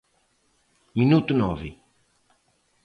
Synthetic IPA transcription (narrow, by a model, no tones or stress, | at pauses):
minut̪unɔvɪ